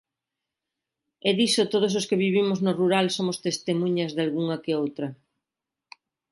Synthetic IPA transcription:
ɛðisot̪oð̞os̬oskeβiβ̞imoznoruɾalsomost̪est̪emũɲɐzðalɣuŋɐkeowt̪ɾɐ

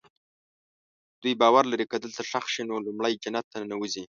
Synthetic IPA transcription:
d̪̥ujbɑwaɾlaɾikəd̪əlt̪aʂaxʃinolʊmɽəjd͡ʒanat̪ːanawuzi

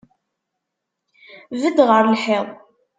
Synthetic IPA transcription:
vəd̪ʁəɾlħeðˤ

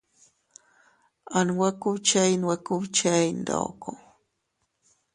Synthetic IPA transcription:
anwakut͡ʃainwakut͡ʃaind̪o̰ko

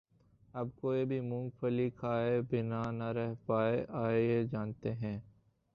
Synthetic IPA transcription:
ɐbkoːibʱimʊ̃ŋɡfəlikʰaːebɪnanɐɾɛɦpaːeʔaːeed͡ʒaːnt̪eɦɛ̃ː

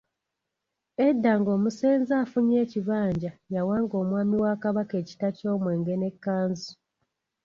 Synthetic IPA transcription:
edːaŋɡo̞ːmuse̞ːnzaːfuɲe̞ːciβaːɲɟajawaːŋɡo̞ːmwaːmiwaːkaβake̞ːci̥taco̞ːmwe̞ːŋɡe̞ne̞kːaːnzi

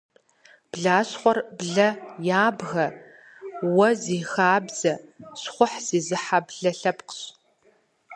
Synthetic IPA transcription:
b̥ɮaːɕχʷɔrbɮɐjaːbɣɐ | wɐziːxaːbz̥ɐɕχʷʊħz̥iːzɨħabɮɐɬɐpqə̥ɕ

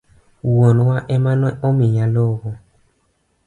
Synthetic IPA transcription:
wɔnwaʔɛmãnɔɔmiɲãlɔɣɔ

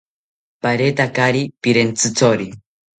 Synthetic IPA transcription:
paɾet̪akaɾipiɾent͡sɨt͡soɾi

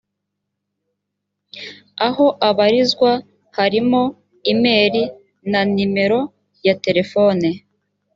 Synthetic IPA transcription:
aho̞ʔaβaɾizɡwa | haɾimo̞ | ime̞ːɾi | nanime̞ɾo̞ | jate̞ɾe̞fo̞ːne

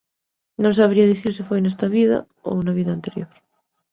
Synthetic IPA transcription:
nõŋsaβɾiaðiθiɾsefojnest̪aβiða̰ | o̰naβiðaːnt̪eɾjoɾ

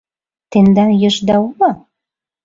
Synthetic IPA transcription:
t̪end̪ɑnjɤ̆ʒd̪ɑulɑ

